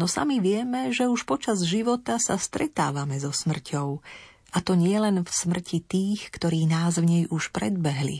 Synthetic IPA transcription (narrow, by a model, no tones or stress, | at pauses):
nɔsa̰miʋɪɛmɛʒɛuʃpɔt͡ʃazʒiʋɔt̪asast̪ɾɛt̪a̰ːʋamɛzɔsmr̩cʰɔʊ | ʔat̪ɔɲɪɛlɛnfsmr̩cʰit̪iːxkt̪ɔɾiːnaːzʋɲɛjʔuʃpɾɛ̰d̪̚bɛɦlḭ